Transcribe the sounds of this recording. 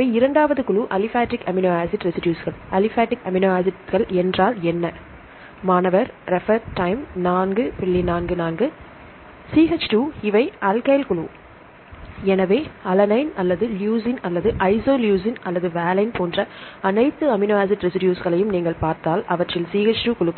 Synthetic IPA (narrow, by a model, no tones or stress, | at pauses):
ɪɐɪɪɾɐɳɖaːʋɐðɯkʊɭuːʔɐlɪfaːʈːɪkɐmɪnoːaːsɪʈɾɛsɪʈɪjuːsɣɐɭɐlɪfaːʈːɪkɐmɪnoːaːsɪʈɣɐɭɛndraːlɛnːɐ | maːnɐʋɐɾɾɛfɐɾʈɐɪmnaːnɡɯpɪɭːinaːnɡɯnaːnɡɯ | siːɣɐt͡ʃʈuːɪʋɐɪʔɐlkɐjlkʊɭuː | ɛnɐʋeːɐlɐnɐɪnɐlːɐðɯljuːsɪnɐlːɐðɯʔɐɪsoːljuːs̬ɪnɐlːɐðɯʋɛːlɐɪnp̪oːndrɐɐnɐɪt̪ːɯɐmɪnoːaːs̬ɪʈɾɛsɪɖɪjuːsɣɐɭɐjɯmniːŋɡɐɭpaːɾt̪aːlɐʋɐʈrɪlsiːɣɐt͡ʃʈuːkʊɭɯkː